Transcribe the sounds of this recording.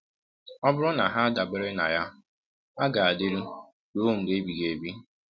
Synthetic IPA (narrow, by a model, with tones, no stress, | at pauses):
ɔ˦bʊ˦ɾʊ˦na˨ɦa˦a˦da˨bɪ˦ɾɪ˦na̰˨ja˦ | a˦ɡa˨a˨dɪ˦ɾu˦ | do˦˨m̩˨de˦bi˨ɡe˨bi˦